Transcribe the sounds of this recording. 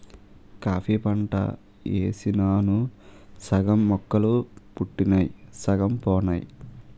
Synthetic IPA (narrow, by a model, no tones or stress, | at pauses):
kaːpʰiːpɐɳʈɐ̰ | ḛːsinaːnusɐɡɐmːɔkːɐlupuʈːinajsɐɡɐmpɔːnaːji